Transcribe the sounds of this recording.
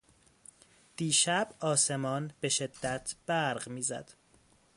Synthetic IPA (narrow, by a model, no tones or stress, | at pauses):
d̪̥iːʃæbɒːse̞mɒːnbe̞ʃe̞d̪ːæt̪ʰb̥æɾɢmiːzæ̰d̪̥